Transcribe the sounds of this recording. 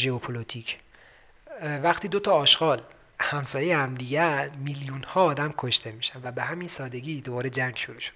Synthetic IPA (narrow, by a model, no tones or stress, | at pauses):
ʒeopʰolot̪ʰicʰ | væxt̪ʰiːd̪o̞t̪ʰɒːʃɡ̥ɒːl | hæmsɒːjejehæmd̪iːɟæmiljunhɒːɒːd̪æmkʰoʃt̪ʰe̞miːʃænd̪væbe̞ɦæminsɒːd̪e̞ɡiːd̪obɒːɾed͡ʒæŋɡʃoɾuːʃo̥d̪̥